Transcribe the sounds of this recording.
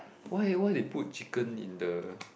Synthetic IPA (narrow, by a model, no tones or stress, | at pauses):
wajwajdeput̚t͡ʃikə̃nḭ̃ndə